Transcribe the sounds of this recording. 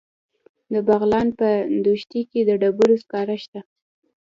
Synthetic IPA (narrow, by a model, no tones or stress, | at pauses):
d̪əbaɣlɑnpənd̪oʃt̪iked̪əɖabuɾoskɑɾaʃt̪a